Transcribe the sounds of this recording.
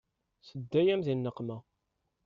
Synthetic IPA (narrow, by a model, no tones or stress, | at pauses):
səd̪ːæjæmðinːəqːmæ